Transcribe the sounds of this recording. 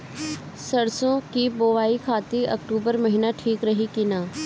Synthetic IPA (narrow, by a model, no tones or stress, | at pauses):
sɐɽsõkiboːʋaːikʰaːt̪iʔɐ̰k̚ʈuːbəɾmɐɦɪnaʈʰiːkɾɐɦikinaː